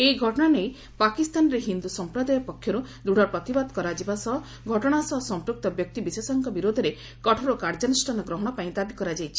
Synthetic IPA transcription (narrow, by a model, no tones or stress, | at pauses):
eiɡʱɔʈɔɽ̃anej | pakist̪anɾeɦind̪usɔmpɾɔd̪ajɔpɔkʰːjɔɾud̪uɽ̤ɔɾpɾɔt̪ibad̪kɔɾad͡ʒibasɔɦɔ | ɡʱɔʈɔɽ̃asɔɦɔsɔmpɾuk̚t̪ɔbjɔk̚t̪ibisesɔŋkʰɔbiɾod̪ʱɔɾe | kɔʈʰɔɾɔkaɾd͡ʒɔnusʈʰanɔɡɾɔɦɔɽ̃ɔpaĩd̪abikɔɾad͡ʒajt͡ʃʰi̥